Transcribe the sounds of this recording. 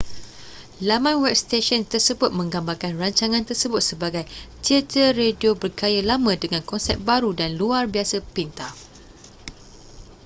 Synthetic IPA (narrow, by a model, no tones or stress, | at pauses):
lamãnwɛp̚st̪eʃɔnt̪ərsəbʊt̪̚mə̃ŋɡambarkanraɲt͡ʃaŋãnt̪ərsəbʊt̪̚səbaɡajt̪iat̪ərediobərkajalamãdəŋãnkɔnsɛ̰p̚baɾudanluarbiasəpint̪a